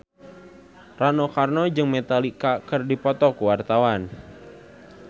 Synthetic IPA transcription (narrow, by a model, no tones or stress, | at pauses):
ranɔkarnɔd͡ʒɨŋmɛt̪alikakɨrdipɔt̪ɔkuwart̪awan